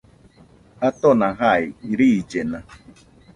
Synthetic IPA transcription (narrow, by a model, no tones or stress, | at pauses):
at̪onaɦajiɾid͡ʒena